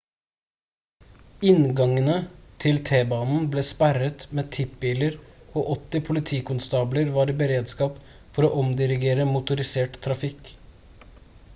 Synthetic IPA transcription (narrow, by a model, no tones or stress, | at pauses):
ɪnɡɑŋənət̪ʰɪlt̪ʰeːbɑːnn̩bleːspæɾət̪meːt̪ʰɪp̚biːləɾoːʔɔt̪ːɪpʰʊlɪt̪ʰiːkʰʊnst̪ɑːbləɾʋɑːɾiːbəɾeːd̪skɑːp | fɔɾoːʔɔmd̪ɪɾɪɡeːɾəmʊt̪ʊɾɪseːʈt̪ʰːɾɑfɪk